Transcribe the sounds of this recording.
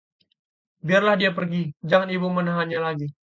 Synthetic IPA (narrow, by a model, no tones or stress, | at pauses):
biarlahdiapərɡid͡ʒaŋanibumənaɦanɲalaɡi